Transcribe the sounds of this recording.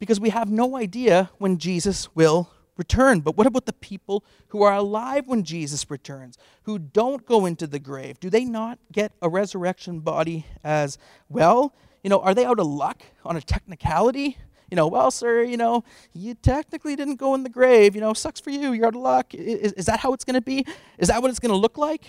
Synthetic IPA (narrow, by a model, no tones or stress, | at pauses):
b̥ɨkʰʌzwiəvnoʊaɪdiɨwɨ̃nd͡ʒizɨswɪlˠ | ɹɨtʰɜ̃˞nbʌt̚wʌɾəbaʊt̪̚ðəpʰipl̩ˠ | huə˞əlaɪvwə̃nd͡ʒizɨsɹɨtʰɜ̃˞nz̥ | hudõʊ̃nɡ̥oʊɪ̃ntʉðɨɡɹeɪvdɨðeɪnət̚ɡ̥ɛɾəɹɛzə˞ɛkʃɨ̃nbɑ̰ɾiɨz | wɛlˠ | jɨnoʊʔə˞ðeɪaʊɾəlʌk | ə̃n̩ɨtʰɛk̚nɨkʰælˠəɾi | jɨñoʊwɛlˠsɜ˞jɨnoʊ | jɨtʰɛk̚nɨklidɪdⁿn̩ɡ̥oʊə̃nðɨɡɹeɪvjɨnoʊsʌksfə˞jʉjə˞aʊɾəlʌkɪɪɪzðɨt̚haʊətsɡ̥ʌñɨbi | ʔɨzðɨt̚wʌɾɨtsɡ̥ʌñəlʊklaɪk